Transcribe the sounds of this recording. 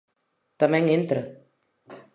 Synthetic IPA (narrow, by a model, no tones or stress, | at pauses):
t̪amɛ̃ŋent̪ɾə